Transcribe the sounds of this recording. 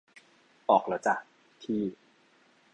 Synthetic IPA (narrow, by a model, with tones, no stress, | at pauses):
ʔɔː˨˩k̚la˨˦˥t͡ɕa˨˩ | t̪ʰiː˥˩